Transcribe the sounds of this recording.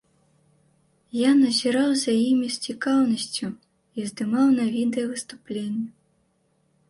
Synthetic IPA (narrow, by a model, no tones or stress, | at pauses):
janɐzʲiɾawzʲajimʲisʲt͡sʲikawnɐsʲt͡sʲu | izd̪ɨmawnɐvʲid̪ɛjɐvɨst̪uplʲenʲːɐ